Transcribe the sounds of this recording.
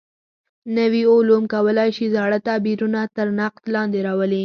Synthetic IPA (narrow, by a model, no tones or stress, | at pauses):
nəwiolumkawəlɑjʃizɑɽət̪abiɾunat̪əɾnaq̚t̪lɑnd̪eɾɑwəli